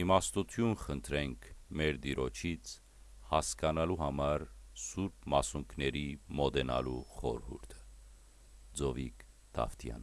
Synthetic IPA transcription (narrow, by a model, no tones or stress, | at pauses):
imɑst̪ut̪ʰjunχənt̪ʰɾɛŋkʰmɛɾd̪iɾɔt͡ʃʰit͡sʰ | hɑskɑnɑluɦɑmɑɾsuɾp̚mɑsuŋkʰnɛɾimɔd̪ɛnɑ̰luχɔɾhṵɾt̪ʰə̥ | d͡zɔvik | t̪ʰɑ̰ft̪ʰjɑ̰nə